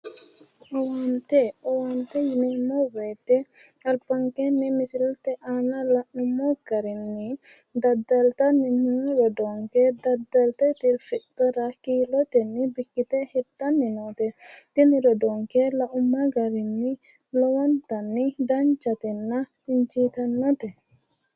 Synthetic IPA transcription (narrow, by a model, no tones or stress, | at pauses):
ɔwant̪ɛɔwant̪ɛjinimobɛjt̪ɛ | ɐlpaŋkenimisilt̪ɛʔanalaumːɔɡaɾinːi | d̪ɐd̪ɐlt̪aninuɾɔdɔŋkɛd̪ɐd̪ɐlt̪ɛt̪ilfiʔtɔɾakiːlɔt̪ɛnːibikːit̪ɛhɛt̪ːanːinɔt̪ɛt̪iniɾɔdɔŋkɛlaʔumːaɡaɾinːi | lɔwant̪anːidant͡ʃat̪ɛnːa | iɲt͡ʃit̪anːɔt̪ɛ